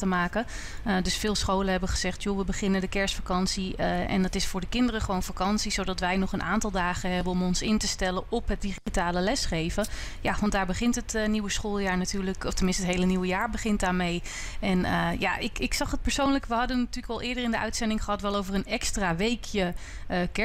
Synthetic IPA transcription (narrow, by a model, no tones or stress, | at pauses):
təmaːkə | dɵsfɪːlˠsχowləɦɛbəχəz̥ɛχtjoʋəbəχɪnədəkɛɹsfakɑnsiʔɛ̰ndɑtɪsfʊːɹdəkɪndərəχəʋownfakɑnsizowdɑtʋɛjnɔχənʔa̰ːntɑlˠdaːχəɦɛbəɔmɔnsɪntəstɛlənɔpɦət̚diχitaːləlɛsχejvə | jaʋɑndaːɹbəχɪntɦətniwəsχoːlˠjaːɹnatyːɹləkɔftəmɪnstətɦejləniwəjaːɹbəχɪnt̚daːɹmej | ɛnəja̰ʔɪkɪksɑχət̚pəɹsownləkʋəɦɑdənːatyːɹləkɑlˠɪːɹdərɪndəœ̰ɥtsɛndɪŋχəɦɑtʋɛlˠowvərənɛkstraːʋejkʰjə | əkɛ